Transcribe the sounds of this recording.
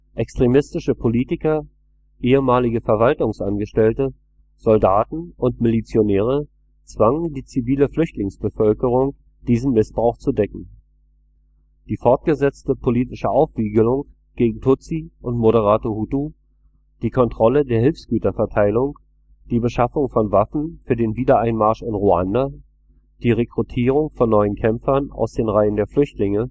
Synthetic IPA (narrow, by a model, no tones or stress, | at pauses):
ʔɛkstʁ̥emɪstɪʃəpʰoliːtɪkɐ | ʔeːəmaːlɪɡəfɛɐvaltʊŋsʔanɡəʃtɛltə | z̥ɔldaːtn̩ʊntmɪlit͡sjonɛːʁ̞ə | t͡sv̥aŋəndiːt͡siviːləflʏçtlɪŋsb̥əfœlkəʁ̞ʊŋ | d̥iːzn̩mɪsb̥ʁaʊχt͡sudɛkŋ̩ | d̥iːfɔɐt̚ɡ̥əzɛt͡stəpʰoliːtɪʃəʔaʊfv̥iːɡəlʊŋ | ɡ̥eːɡŋ̩tʰʊt͡siʔʊntmoɾəʁ̞aːtohutu | d̥iːkʰɔntʁ̥ɔlədeːɐɦɪlfsɡ̥yːtɐfɛɐtʰaɪlʊŋ | d̥iːbəʃafʊŋfɔnvafn̩fyːɐdeːnviːdɐaɪnmaɐʃɪnʁua̰nda | d̥iːʁekʁ̥utʰiːʁ̞ʊŋfɔnːɔʏənkʰɛmfɐna̰ʊsd̥eːnʁaɪəndeːɐflʏçtlɪŋə